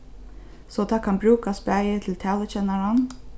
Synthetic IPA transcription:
sɔt̪ʰɑːkʰɑnbɾʉːkaspæjət̪ʰɪlt̪ʰæːlət͡ʃɛnaɾan

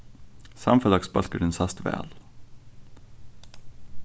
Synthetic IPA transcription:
sɑ̰mfəd̪ɑksbɑlkəɖɛnsɑst̪ʋæ̰ːl

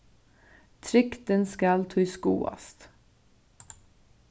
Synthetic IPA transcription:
t̪ʰɾʏkt̪ənskɑlt̪ʰuːskṵːɑ̰st̪

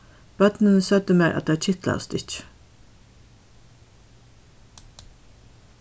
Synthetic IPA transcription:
b̥œd̪̥nənəsœd̪əmeːɾʔɑ̰t̪̚d̪eːt͡ʃʰɪt̪ʰlə̰st̪ɪt͡ʃ

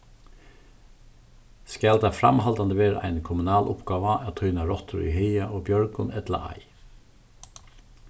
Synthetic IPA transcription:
skæld̪ɑfɾɑ̰mhɑld̪ɑnd̪əʋeːɾæ̰ɪnkʰʊmʉnɑːlʔʊpɡ̥ɑːʋɑʔɑːt̪ʰœʏnɑɾɔt̪ʰɾʊ̰ḭːhœɪɑʔoːbjœɹɡʊnɛd̪lɑ̰ʔɑ̰ɪ

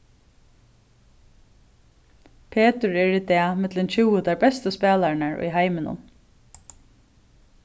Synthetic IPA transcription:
pʰeːt̪əɹɛɹiːt̪ɛːmɪt̪lɪnt͡ɕʰuwət̪aɹbɛst̪əspæːlaɹnaɹʊ̰jɦajmɪnʊ̰n

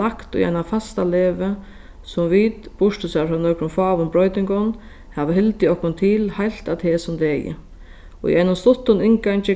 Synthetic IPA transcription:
akt̪ʊ̰ja̰jnafast̪aleːʋə | sʊmʋiːt̪b̥ʊʂt̪ʊsafanœːkɾʊmfaːʋʊmbɾɔjt̪ɪŋkɔn | hɛʋəɦɪlt̪ɪɔhkʊnt̪ʰiːlhajl̥t̪at̪ʰɛːsʊmd̪ɛːjɪ̰ | ɔ̰ḭɛjnʊmst̪ʊt̪ːʊnɪŋkaɲt͡ʃɪ

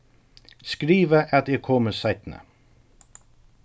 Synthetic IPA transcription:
skɾiːʋəʔɑt̪ɛːɡ̚kʰoːməsæɪt̪n̩ə̰

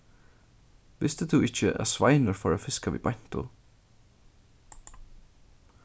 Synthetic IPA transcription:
vɪst̪ət̪ʰʊɪt͡ʃəʔa̰svajnəɹfɔɹafɪskavḭːbajn̥t̪ʊ̰

